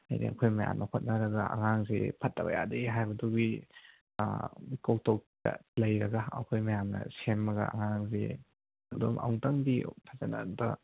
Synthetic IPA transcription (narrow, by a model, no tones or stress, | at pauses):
ajdḭɐkʰojmɐja̰mnɐhot̚nɐɾɐɡɐʔɐ̰ŋaŋzḛpʰɐtːɐbɐ̰ja̰dɐiɦajbɐdubi | ikok̚tʰok̚tɐ̰lɐjɾɐɡɐɐ̰kʰojmɐjamnɐ̰semːɐɡɐ̰ɐŋaŋze | ɐdomʔa̰wŋtɐŋditʰazana̰ntɐ